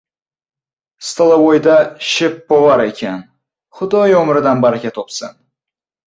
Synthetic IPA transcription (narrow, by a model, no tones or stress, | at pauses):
st̪ʰɨlˠawojd̪aʃɪpbovaɾe̞kʲʰan | χʊd̪ɒjomɾɪd̪anbaɾɪkʲat̪ʰopsɨn